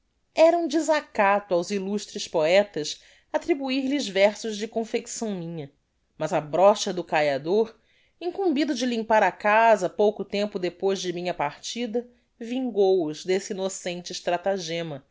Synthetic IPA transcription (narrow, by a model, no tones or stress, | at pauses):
ɛɾɐũd͡ʒizakat̪ʊawziluʃt̪ɾɪspoɛt̪ɐs | at̪ɾibuiɾlɪzvɛɾsʊzd͡ʒɪkõfeksɐ̃w̃mĩɲɐ | mɐzɐbɾɔʃɐd̪ʊkajad̪oɾ | ĩŋkũmbid̪ʊd͡ʒɪlĩmpaɾakazɐpowkʊt̪ẽmpʊd̪epojzd͡ʒɪmĩɲɐpaɾt͡ʃid̪ɐ | vĩŋɡowʊzd̪esɪinosẽnt͡ʃɪʃt̪ɾat̪aʒẽmɐ